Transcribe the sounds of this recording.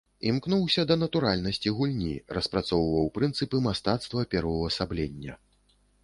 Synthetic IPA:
imknuwsʲɐd̪ɐnɐt̪uɾalʲnɐsʲt͡sʲiɣulʲnʲḭrɐspɾat̪sɔwvɐwpɾɨnt̪sɨpɨmast̪at̪st̪vɐpʲɛɾvɐwɐsablʲenʲːɐ̰

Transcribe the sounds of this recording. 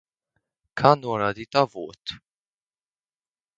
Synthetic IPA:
kʰanoːnad̪it̪avoːt̪

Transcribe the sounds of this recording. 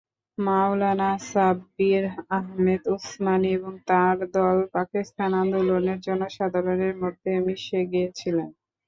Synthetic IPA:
mawlanasabiɾaɦmed̪usmanieboŋt̪aɾd̪ɔlpakist̪ʰanand̪uloneɾd͡ʑɔnoʃad̪ʱaɾoneɾmod̪ʱːemiʃeɡiet͡ɕʰilen

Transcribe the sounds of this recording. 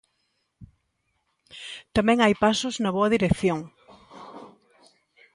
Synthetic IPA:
t̪amɛ̃ŋajpasʊznɐβoɐðiɾekθjoŋ

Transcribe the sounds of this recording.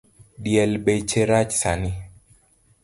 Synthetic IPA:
ɗiɛlɓɛjt͡ʃɛɾat͡ʃsani

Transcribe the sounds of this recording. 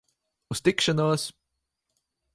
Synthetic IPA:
ust̪ikʃɐnɔːs

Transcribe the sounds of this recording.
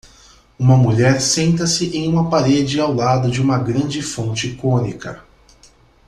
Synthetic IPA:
ũmɐmuʎɛɾsẽnt̪̬ɐsɪʔẽj̃ũmɐpaɾed͡ʒɪawlad̪ʊd͡ʒɪũmɐɡɾɐ̃d͡ʒɪfõnt͡ʃɪkõnikɐ̰

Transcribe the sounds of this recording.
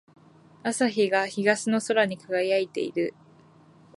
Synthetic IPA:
asaçiɡaçiɡasɨno̞so̞ɾaɲ̟ikaɡaiait̪e̞̰ḭɾɯ̟

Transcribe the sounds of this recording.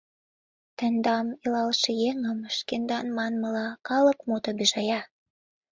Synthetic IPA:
t̪ə̆nd̪ɑmilɑlʃejeŋəmʃkend̪ɑnmɑnməlɑkɑlə̆kmot̪obiʒɑjɑ

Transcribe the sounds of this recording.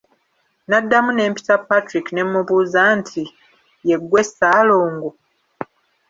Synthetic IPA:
nadːamune̞ːmpi̥tapːatɾikine̞mːuβuːzantʰi | je̞ɡːwe̞sːaːloːŋɡo

